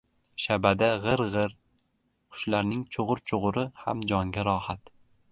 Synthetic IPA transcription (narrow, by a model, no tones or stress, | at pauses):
ʃabad̪aʁɨɾʁɨɾ | qʰʊ̥ʃlaɾnɪŋt͡ʃʰoʁʊɾt͡ʃʰoʁʊɾɪha̰md͡ʒɒŋɡʲaɾɒhat̪